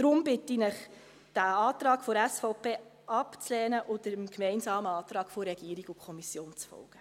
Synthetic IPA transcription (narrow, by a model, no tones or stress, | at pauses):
d̥ɾʊmbɪtinəχ | d̥æɑːtɾɑːkfoɾɛsfɔʊpʰeː | ʔɑpt͡slɛːnəʔʊdəmkmɛɪnsɑːməɑːtɾɑːɡfoɾɛɡ̥iəɾiɡʊkʰɔmisjoːnt͡sfɔ̰lɡ̥ə